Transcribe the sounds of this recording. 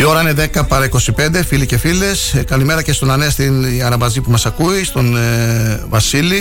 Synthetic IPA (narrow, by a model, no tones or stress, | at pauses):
io̞ɾɐineðe̞kɐpɐɾɐiko̞sipe̞nd̪e̞filice̞file̞skɐlime̞ɾɐcest̪o̞nɐne̞st̪inɐɾɐbɐzipumɐsɐkuist̪o̞n | vɐsili